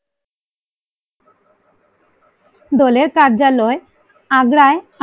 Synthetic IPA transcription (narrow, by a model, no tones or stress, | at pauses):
d̪ɔleɾkaɾd͡ʑaloe | aɡɾaea